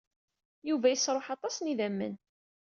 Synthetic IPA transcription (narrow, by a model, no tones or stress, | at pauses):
juvæjəsːɾˤoħɑt̪ˤɑsniðæmːə̰n